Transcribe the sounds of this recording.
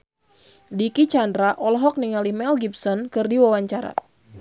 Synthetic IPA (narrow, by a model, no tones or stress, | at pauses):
dikit͡ʃandɾaʔɔlɔɦɔk̚niŋalihmɛlɡip̚sɔnkɨrdiwawaɲt͡ʃaɾa̰